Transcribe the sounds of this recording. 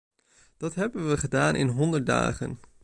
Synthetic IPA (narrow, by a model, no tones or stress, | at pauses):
d̥ɑtɦɛbənʋəχədaːnʔɪ̰nɦɔndəɹda̰ːχə̰n